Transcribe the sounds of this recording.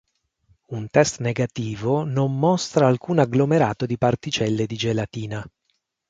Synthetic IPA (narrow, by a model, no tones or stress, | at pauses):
unt̪ɛst̪neɡat̪iːvonomːɔst̪ɾaːlkuːnaɡlomeɾaːt̪od̪ipart̪it͡ʃɛlːed̪id͡ʒelat̪iːna